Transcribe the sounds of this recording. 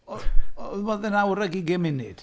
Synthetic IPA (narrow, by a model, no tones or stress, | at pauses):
ɔðmɔðənawɾaɡiɡɪmɪnɪd̥